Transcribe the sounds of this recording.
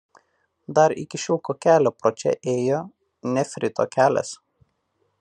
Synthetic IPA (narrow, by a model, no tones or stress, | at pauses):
d̪ɐɾɪ̰kʲɪʃʲʊlˠkoːkʲæːlʲoːpɾot͡ʃʲɛ̰ʔeːjoː | nʲɛfʲɾʲɪt̪o̰kʲæːlʲɛ̰s